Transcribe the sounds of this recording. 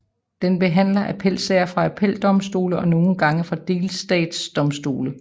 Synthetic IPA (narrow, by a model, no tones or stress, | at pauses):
d̥enb̥e̝ɦæn̰lɐʔæpʰel̰sɛːɐfʁɑ̈æpʰel̰d̥ɒ̽msd̥o̝̰ːləʔɒ̽no̝ːn̩ɡ̥ɑ̈ŋəfʁɑ̈d̥e̝ːlsd̥ɛ̰ːd̥sd̥ɒ̽msd̥o̝̰ːlə